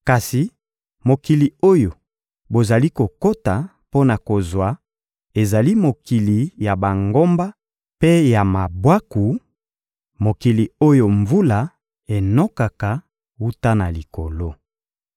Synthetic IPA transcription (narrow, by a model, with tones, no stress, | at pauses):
ka˨si˨ | mo˨ki˨li˨o˦jo˨ | bo˨za˨li˦ko˨ko˦ta˨ | po˦na˨ko˨zwa˨˦ | e˨za˨li˦mo˨ki˨li˨ja˨ba˨ŋɡo˦mba˦ | pe˦ja˨ma˨bwa˦ku˨ | mo˨ki˨li˨o˦jo˨ɱvu˦la˨ | e˨nɔ˦ka˨ka˨ | wu˦ta˦na˨li˨ko˨lo˦